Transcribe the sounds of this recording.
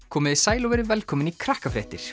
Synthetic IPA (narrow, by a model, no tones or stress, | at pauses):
kʰɔːmɪðisaːjlɔwɛɾɪvɛlkʰɔːmɪnikʰɾahkafɾɛːht̪ɪɾ̥